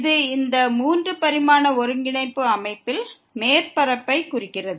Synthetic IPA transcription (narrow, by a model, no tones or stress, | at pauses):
ðɯɪnd̪ɐmuːndrɯpɐɾɪmaːnɐɔɾɯŋɡɪɳɐɪpːɯɐmɐɪpːɪl | meːɾpɐɾɐpːɐɪkʊrɪkːɪrɐðɯ